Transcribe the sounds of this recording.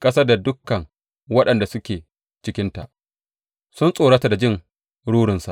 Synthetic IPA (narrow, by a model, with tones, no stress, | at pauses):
kʼɐ˦sɐ˦da˨dʊ˦kːɐ˨ŋ | wɐ˦ɗɐ˨nda˨sʊ˦kʲeː˨ | t͡ʃɪ˦kʲɪ˦nta̰˨ʔ | sʊ˦nsʼoː˨ɽa˦ta˨da˨d͡ʒɪ˦˨ŋ | ɽuː˦ɽɪ˨nsa˨ʔ